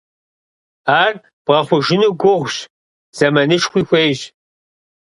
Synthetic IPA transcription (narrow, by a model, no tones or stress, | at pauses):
aːr | b̥ʁɐχʷʊʒɪnuːɡʷʊʁʷɕ | z̥ɐmɐnɨʂxʷiːxʷeːʒ